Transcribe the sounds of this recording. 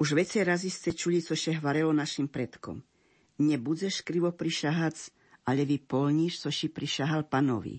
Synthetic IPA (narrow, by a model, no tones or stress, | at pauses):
uʒʋɛt͡sɛɾazist̪ʲɛt͡ʃuʎit͡sɔʃɛɦʋaɾɛlɔnaʃimpɾɛt̪kɔ̰m | ɲɛbud͡zɛʃkɾiʋɔpɾiʃaɦat͡s | aʎɛʋipɔlɲiʃt͡sɔʃipɾiʃaɦalpanɔ̰ʋḭ